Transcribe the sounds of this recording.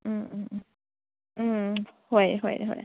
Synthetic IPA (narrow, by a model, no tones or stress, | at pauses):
n̩ | n̩xweɪxwḛɪxwḛ